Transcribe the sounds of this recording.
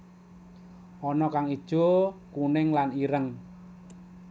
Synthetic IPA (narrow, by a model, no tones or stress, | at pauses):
ʔɔnɔkaŋid̥ʒ̥o̤kunɪŋlaniɾəŋ